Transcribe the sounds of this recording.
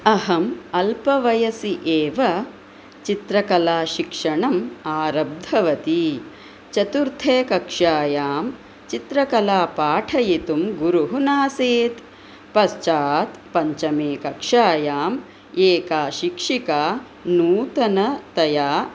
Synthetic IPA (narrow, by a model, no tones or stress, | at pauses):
ɐɦɐmɐlpɐʋɐjɐsiʔeːʋɐ | t͡ʃit̪ɾɐkɐlaːʃikʂɐɳɐmaːɾɐb̚d̪ʱɐʋɐt̪i | t͡ʃɐt̪uɾt̪ʰeːkɐkʂaːjaːm | t͡ʃit̪ɾɐkɐlaːpaːʈʰɐjit̪umɡuɾuɦunaːseːt̪ | pɐst͡ʃaːt̪pɐɲt͡ʃɐmeːkɐkʂaːjaːm | eːkaːʃikʂikaː | nuːt̪ɐnɐt̪ɐjaː